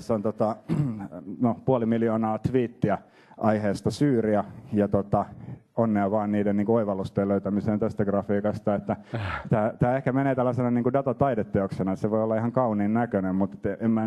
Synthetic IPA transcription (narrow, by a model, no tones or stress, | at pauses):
t̪æsːont̪ot̪ɑ | nopuolimiljoːnɑːt̪ʋiːt̪ːiæ | ʔɑiheːst̪ɑsyːriæjɑt̪ot̪ɑ | onːeɑʋɑːnniːdenniːŋkuoiʋɑlːust̪eːløyt̪æmiseːnt̪æst̪æɡrɑfiːkɑst̪ɑet̪ːæt̪æːt̪æːehkæmeneːt̪ælːæsenɑniːŋkudɑt̪ɑt̪ɑidet̪ːeoksenɑseʋoiolːɑihɑŋkɑuniːnnækønemmut̪et̪emmæ